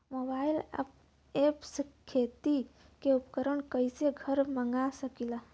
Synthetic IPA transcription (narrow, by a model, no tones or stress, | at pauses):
mobail̰ | epskʰːet̪i | keupkəɾəɳkəjseɡʱəɾməŋɡasəkila